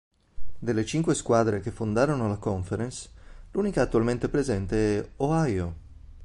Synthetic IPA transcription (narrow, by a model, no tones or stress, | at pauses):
d̪elːet͡ʃiŋkweskwaːd̪ɾek̟efond̪aːɾonolakɔɱfeɾensluːnikaːt̪ːualment̪epɾezɛnt̪eɛoajo